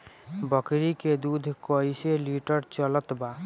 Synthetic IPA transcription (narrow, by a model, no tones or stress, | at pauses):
bəkɾiked̪ud̪ʱkəiseliʈəɾt͡ʃələt̪baː